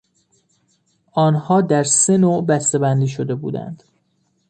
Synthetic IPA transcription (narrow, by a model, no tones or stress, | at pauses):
ʔɒːnhɒːd̪æɾse̞noːʔbæst̪e̞bænd̪iːʃod̪e̞bṵːd̪æ̰nd̪̥